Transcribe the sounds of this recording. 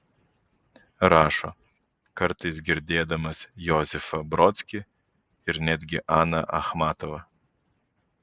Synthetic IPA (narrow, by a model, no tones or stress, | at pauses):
ɾɑːʃɔ | kɐɾt̪ɨsɡʲɪɾʲd̪ʲeːd̪ɐmɐsjɔzʲɪfɐbɾɔt̪sʲkʲɪ | ɪɾnʲæd̪ʲɡʲɪʔɑnɐ̰ʔɐ̰xmɑt̪ɔʋɐ